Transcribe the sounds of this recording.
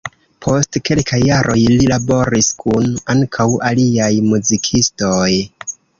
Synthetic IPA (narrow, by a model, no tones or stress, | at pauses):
pʰo̞stke̞lkʰajːaɾʔo̞jlilabo̞ɾiskʰunaŋkʰawaliajmuzikʰisto̞j